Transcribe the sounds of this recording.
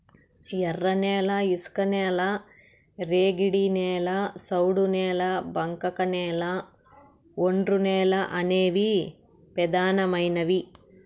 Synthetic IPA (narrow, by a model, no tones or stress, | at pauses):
jɛrːɐneːlɐiskɐneːlɐ | ɾeːɡiɽineːlɐsɐwɽuneːlɐbɐŋkɐkɐneːlɐ | oɳɖɾuneːlɐʔɐneːʋi | pɛd̪aːnɐmɐjnɐʋi